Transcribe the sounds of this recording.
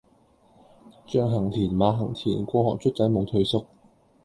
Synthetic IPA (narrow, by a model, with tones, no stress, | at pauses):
t͡ʃœː˧ŋɦɐ˨˩ŋt̪ʰiː˨˩nmaː˨˧ɦɐ˨˩ŋt̪ʰiː˨˩nkʷɔː˧hɔː˨k̚t͡ʃʰɵ˥t̚t̪ɐ˨˥jmo˨˧wt̪ʰɵ˧ɥsʊ˥k̚